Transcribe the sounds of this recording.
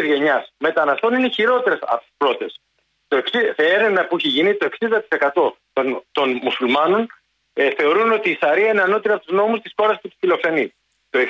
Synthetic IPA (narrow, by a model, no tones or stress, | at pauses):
zʝe̞ɲɐsme̞t̪ɐnɐst̪o̞nineçiɾo̞t̪e̞ɾesɐ̰pot̪i̥spɾo̞t̪es | t̪oeksiθeeɾe̞vnɐpuiçeʝinit̪o̞eksind̪ɐt̪i̥se̞kɐt̪o̞t̪ont̪o̞nmusulmɐno̞n | θe̞o̞ɾuno̞t̪iːsɐɾiɐineɐno̞t̪iɾɐpot̪uzno̞must̪i̥sxo̞ɾɐsput̪i̥filo̞kse̞ni | t̪o̞e